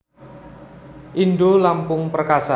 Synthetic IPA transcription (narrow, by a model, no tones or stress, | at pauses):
ʔindolampʊŋpərkasa